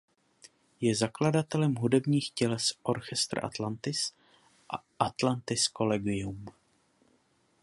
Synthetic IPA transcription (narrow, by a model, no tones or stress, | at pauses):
jɛzakladat̪ɛlɛmɦudɛbɲiːxcɛlɛsʔo̞ɾxɛst̪ɾ̰ʔa̰t̪lant̪ɪs | ʔa̰ʔat̪lant̪ɪsko̞lɛɡɪjum